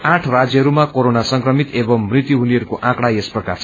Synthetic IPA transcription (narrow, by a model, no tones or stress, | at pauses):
ãʈʰrad͡zjʌɦʌɾumakoɾonasʌŋkrʌmit̪ebʌmːrit̪juɦuniʌɾukoʔãkɽaesprʌka̰rt͡sʰ